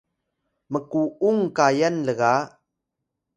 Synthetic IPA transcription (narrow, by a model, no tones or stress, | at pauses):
məkuuŋkajənləɣa